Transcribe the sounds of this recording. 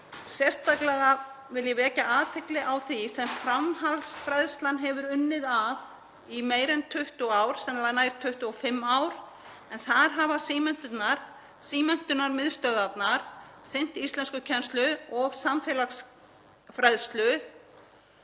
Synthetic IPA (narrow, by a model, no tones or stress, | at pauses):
sjɛr̥st̪ʰaklɛɣa | vɪljɛvɛːcaʔaːt̪ʰɪklɪʔawθisɛmfɾamɦalsfɾɛðst̪lanɦɛvʏɾʏnːɪðað | imeːjɾɛnt̪ʰʏht̪uaːwɾ̥sɛmnlanaːjɾ̥t̪ʰːʏht̪uɔfɪmːaːwɾ̥ | ɛnθaðɾ̥ɦavasiːmɛn̥t̪ʏt̪naɾ̥ | siːmɛn̥t̪ʏnaɾmɪð̥st̪œðat̪naɾ̥sɪn̥t̪iist̪lɛnskʏcʰɛnst̪lʏɔɣsamfɛlaxs | fɾɛðst̪lʏ